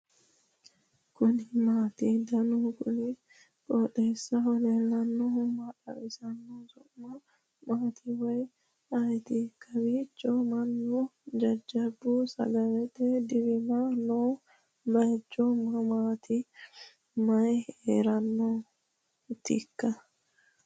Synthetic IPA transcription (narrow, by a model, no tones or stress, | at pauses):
kʊnɪmaːt̪ɪd̪ɐnukʊnɪ | kʼɔːᶑeːsːɐhɔlelːɐnːɔmɐᶑɐ̰wɪsɐnːɔsʊʔmɐ | maːt̪ʰɪwɔj | ɐjt̪ɪkːɐbiːt͡ʃːɔmɐnːʊd͡ʒɐd͡ʒːɐbʊsɐ̰ɡɐlɛt̪ɛd̪ɪbɪmanoː | bɐjt͡ʃːɔmɐmaːt̪ɪ | mɐjḛːɾɐnːɔ | t̪ːɪkːɐ